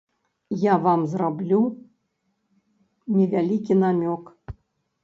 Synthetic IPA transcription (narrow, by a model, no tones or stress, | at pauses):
javamzrablʲu | nʲɛvʲalʲikʲinamʲɔk